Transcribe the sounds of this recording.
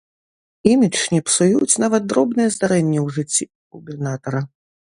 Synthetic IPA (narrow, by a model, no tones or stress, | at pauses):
imʲit͡ʂnʲipsujut͡sʲnavɐt̪̚d̪ɾɔbnɨjɐzd̪aɾɛnʲːɛwʐɨt͡sʲːi | ɣubʲɛrnat̪ɐɾɐ